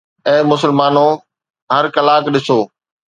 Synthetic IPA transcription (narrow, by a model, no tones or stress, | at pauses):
ɛ̃ːmʊsəlmaːno | ɦɐɾkɐlaːkɗɪsoː